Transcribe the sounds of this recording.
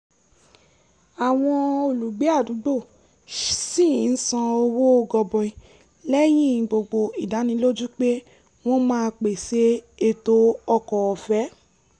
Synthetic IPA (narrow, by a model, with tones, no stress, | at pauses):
a˨w̃ɔ̃˧o˨lu˨ɡ͡be˨˦a˦˨du˨˦ɡ͡bo˦˨ | sĩ˦˨˦n̩˦sã˧o˧wo˦o˧ɡɔ˧bɔ˨ĩ˨ | lɛ˦jĩ˦˨ɡ͡bo˨ɡ͡bo˧i˨da˨˦nĩ˧˦lo˦d͡ʒu˦k͡pe˦ | w̃ɔ̃˦mãː˦˧k͡pe˨se˨˦e˦˧to˦ɔ˧kɔ˨ɔ˧fɛ˦